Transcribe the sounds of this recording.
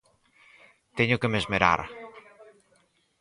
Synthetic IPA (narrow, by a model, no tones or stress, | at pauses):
t̪eɲʊkɨmezmeɾa̰ɾ